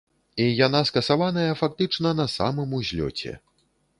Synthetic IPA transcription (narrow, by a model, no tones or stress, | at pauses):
ijanaskɐsavanɐjɐfak̚t̪ɨt͡ʂnɐnɐsa̰mɨmuzʲlʲɔ̰t͡sʲɛ̰